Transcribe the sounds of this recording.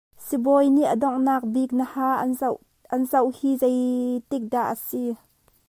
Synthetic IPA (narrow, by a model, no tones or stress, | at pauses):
sibɔjniʔədɔŋnaːk̚bik̚nəhaː | ʔɐnzɐwhiːzejt̪ik̚daʔəsi